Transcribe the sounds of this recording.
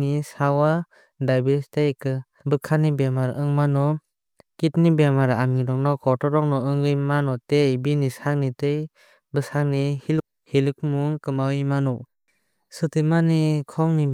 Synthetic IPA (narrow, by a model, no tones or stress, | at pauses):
nisawa | dajbeɾstejkɯ | bɯkʰanibemaɾɯŋmanɔ | kitnibemaɾaŋiɾɔŋnɔkʰɔtɔɾɔŋnɔɯŋɡɯjmanɔtebinisaŋnitɯj | bɯsaŋnihil̚ | hilɯk̚muŋkɯmawɯjmanɔ | sɯtɯmanikʰɔŋni